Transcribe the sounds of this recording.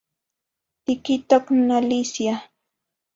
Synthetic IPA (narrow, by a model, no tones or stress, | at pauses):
t̪ɪkɪt̪oknalisja